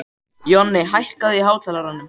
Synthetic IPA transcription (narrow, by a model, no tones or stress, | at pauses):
jɔnːɪɦajhkaðɪiɦaːwt̪ʰɛːlaɾanːʏm